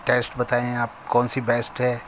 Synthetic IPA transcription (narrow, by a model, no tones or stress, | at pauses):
ʈeːsʈbɐt̪aːẽaːp̚kɔ̃ːnsibɛːsʈɦɛː